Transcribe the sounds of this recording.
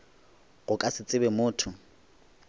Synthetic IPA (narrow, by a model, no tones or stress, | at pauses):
ɣʊkʼasɪt͡sʼɪbɛmʊːtʰʊ